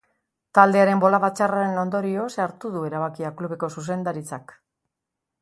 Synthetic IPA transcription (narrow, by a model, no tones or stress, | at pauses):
t̪ald̪e̞aɾe̞mbo̞laβat͡ʃaraɾe̞no̞nd̪o̞ɾio̞seaɾt̪uðue̞ɾaβ̞akiakluβe̞ko̞sus̬e̞nd̪aɾit͡sak